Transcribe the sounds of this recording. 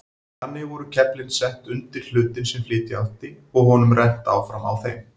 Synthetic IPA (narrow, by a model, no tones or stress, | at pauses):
θanːɪɣvɔɾʏcʰɛplɪnsɛn̥t̪ʏnt̪ɪl̥l̥ʏːt̪ɪnsɛmflɪːt̪ɪawl̥t̪ɪ | ɔɣɦɔnʏmrɛn̥t̪a̰ːwfɾama̰wθejm